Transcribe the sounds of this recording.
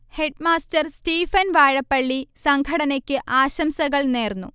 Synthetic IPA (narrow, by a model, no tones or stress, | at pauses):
he̞ɖmaːstɐrstiːfɐnʋaːɻɐpːɐɭːisɐŋɡʰʱɐɽɐnɐkʲːɨʔaːɕɐmsɐɣɐɭneːrnːṵ